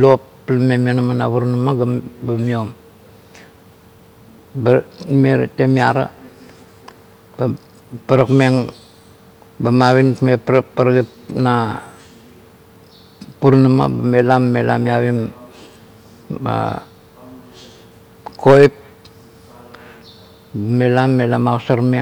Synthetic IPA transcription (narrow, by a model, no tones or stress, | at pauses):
lopː | lamemianamanaβuɾnamaɡambamiom | bameɾtemiaɾa̰ | ba | paɾakmeŋ | bamaβinmepɾapaɾɡipna | puɾnama̰bamelamːela̰miaβim | a̰ | kojp̚ | bamelamːelamasaɾme